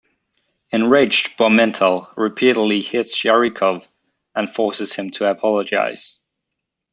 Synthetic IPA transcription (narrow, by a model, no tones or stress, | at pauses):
ɛ̃nɹeɪd͡ʒb̥ɔmɛ̃ntʰəlˠɹɪpʰiɾədˡlihɪtsʃɛɹikʰɔv | ə̃nfɔˑsɪz̥ɪ̃mtʰəəpʰɒləd͡ʒa̰ɪz̥